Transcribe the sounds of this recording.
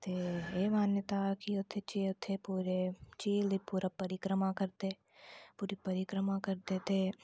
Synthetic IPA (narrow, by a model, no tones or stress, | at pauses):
t̪eeːmaːnjət̪akiʊt̪ʰːet͡ʃiʊt̪ʰːepuːɾet͡ʃiːlipuːɾapɐɾɪkɾəmakəɾt̪e | puːɾipɐɾɪkɾəmãkəɾt̪et̪e